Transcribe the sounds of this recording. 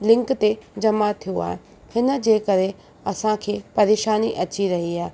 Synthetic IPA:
lɪ̃ŋkt̪ed͡ʑɐmat̪ʰijoa̰ːɦe | hɪnə̆d͡ʑeːkɐɾe | ɐsãkʰeːpɐɾeːʃaːniʔɐt͡ɕiɾɐɦiaːɦe

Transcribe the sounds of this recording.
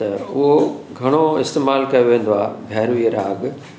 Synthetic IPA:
t̪ɐʊɦoɡʱɐɽ̃oɪst̪eːmaːlkɐjoʋẽːn̆d̪oaːɡʱɐːɾʋiɾaːɡ

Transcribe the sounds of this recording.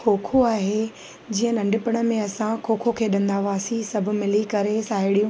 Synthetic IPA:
kʰoːkʰoaːɦe | d͡ʑiːə̃nɐ̃ɳɖɪpɪɽ̃ə̆mẽɐsãkʰoːkʰokʰeːɗɐ̃nd̪aːʋaːsisɐb̆ʱmɪlikɐɾesaːɪɽijũ

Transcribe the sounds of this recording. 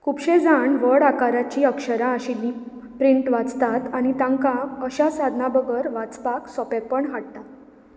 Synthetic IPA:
kʰupɕed͡zaɳʋəɽakaɾat͡ɕiːəkʂəɾaːɕilːi | pɾiɳʈʋat͡st̪at̪aɽ̃it̪ãŋkãəɕasad̪ʱnabəɡəɾʋat͡spaksɔpepəɳɦaɽ̚t̪at̪

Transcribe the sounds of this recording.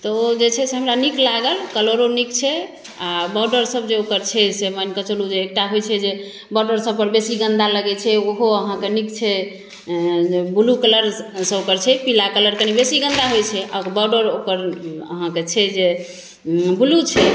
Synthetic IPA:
t̪ɔod͡ʒet͡ʃʰɛseɦəmɾaniklaɡəlkəloɾonikt͡ʃʰɛ | abɔɖəɾsəbd͡ʒeokəɾt͡ʃʰɛsemənkət͡ʃəlud͡ʒeːk̚ʈaɦojt͡ʃʰɛd͡ʒe | bɔɖəɾsəb̚pəɾbesiɡə̃nd̪aləɡɛt͡ʃʰɛoɦoəɦãkenikt͡ʃʰɛ | ebʱulukələɾsəbokəɾt͡ʃʰɛpilakələɾkənibesiɡə̃nd̪aɦojt͡ʃʰɛʔabɔɖəɾokəɾə̰ɦãket͡ʃʰɛd͡ʒe | bʱulut͡ʃʰɛ

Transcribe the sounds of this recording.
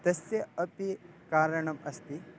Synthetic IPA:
t̪ɐsjɐɐpikaːɾɐɳɐmɐst̪i

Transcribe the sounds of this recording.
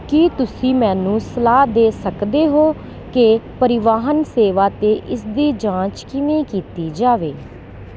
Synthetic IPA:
kiːt̪ʊsĩːmɛ̃ːnũːsəlaːd̪eːsəkd̪eːɦoː | kepəɾɪʋaːɦənseːʋaːt̪eːʔɪsd̪iːd͡ʒãːt͡ʃkɪʋĩːkiːt̪iːd͡ʒaːʋeː

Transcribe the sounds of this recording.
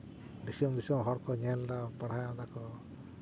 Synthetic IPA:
ɖisɔmd̪isiɔmɦɔɽkɔɲɛlɖapəɽ̤ajd̪akɔ

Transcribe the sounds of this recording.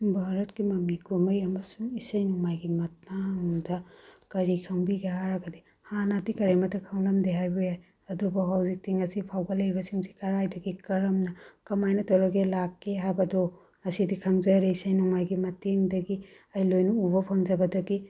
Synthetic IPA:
bʱaɾɐtkimɐmnikuɾmɐjɐmɐsuŋisɐjnuŋmajɡimɐt̚naŋdɐkɐɾikʰɐŋbiɡeɦaɾɐɡɐdi | hanatikɐɾemɐtʰːɐkʰɐŋlɐmdeɦajbujaj | ɐdubɐɦawzik̚tiŋɐsipʰawɡɐlɐjbɐsiŋsi̥kɐɾajdɐɡikɐɾɐmnɐkɐmajnɐtɔɾɐɡelakːeɦajbɐdo | ɐsidikʰɐŋzɐɾeisɐjnuŋmajɡimɐtiŋdɐɡi | ɐjlojnɐubɐpʰaŋzɐbɐdɐɡi

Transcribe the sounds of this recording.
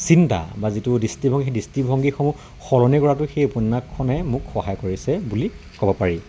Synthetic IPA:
sinta̰bazitʊdistibʱɔ̃ŋɡixedistibʱɔŋɡixɔmu | xɔlɔnikɔɹatʊxejɔpunːakʰːɔnɛmʊkxɔɦajɔkoɹisɛbuli | kɔbɔpaɹi

